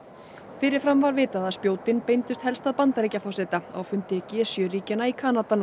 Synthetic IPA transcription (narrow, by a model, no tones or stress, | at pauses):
fɪɾɪɾ̥fɾamvaɾvɪːt̪aðaðspjoːwt̪ɪnpejnt̪ʏst̪hɛlst̪aðpant̪aɾecafawsɛt̪aa̰wfʏnt̪ɪɛcɛːsjœriːcanaikʰaːnat̪a